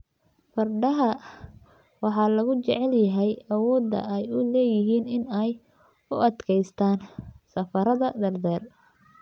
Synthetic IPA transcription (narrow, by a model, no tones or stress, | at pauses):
fɐrɖɐɦɐ | wɑħɑːlɐɣʊt͡ʃɛ̰ʕɛljɐɦɛjɐwɔːd̪ɐ̰ɛjʊlɛːjɪɦiːnɪnɛj | ʊʔɐd̪kʰɛjst̪ʰaːnsɐfɐɾɐðɐd̪ɐrd̪ɛːr